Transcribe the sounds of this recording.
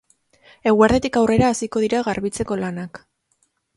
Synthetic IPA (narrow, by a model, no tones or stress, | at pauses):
e̞ɣuaɾðe̞t̪ikawre̞ɾaːsiko̞ð̞iɾaɣaɾβit͡se̞ko̞lanak